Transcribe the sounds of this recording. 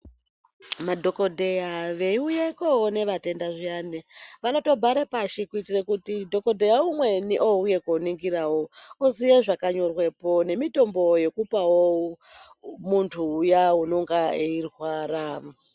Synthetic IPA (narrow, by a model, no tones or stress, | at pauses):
madʱo̞ko̞dʱe̞jaʋe̞iujekoɦone̞ʋate̞ndaʐiaːneʋano̞to̞bʱaɾepaʃikuitirekutidʱo̞ko̞dʱe̞jaumwe̞niʔoujekoniŋɡirawoosijeʐakaɲo̞rwe̞po̞ne̞mito̞mbo̞je̞kupawo | muntʰuːjauno̞ŋɡaeirwaːra